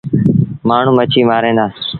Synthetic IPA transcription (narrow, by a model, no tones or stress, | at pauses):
maːɳ̤ũːmət͡ʃʰiːmaːɾẽːnd̪aː